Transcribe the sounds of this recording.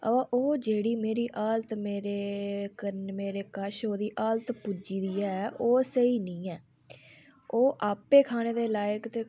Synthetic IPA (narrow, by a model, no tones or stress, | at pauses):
ə̰baːʔoːd͡ʒeːɽiːmeːɾiːʔaːlt̪meːɾeːkəmeːɾeːkəʃɦoːd̪iːʔaːlt̪pud͡ʒiːd̪iːɛːʔoːsəiːnĩːɛː | oːʔaːpeːkʰaːneːd̪eːlaːjəkt̪eː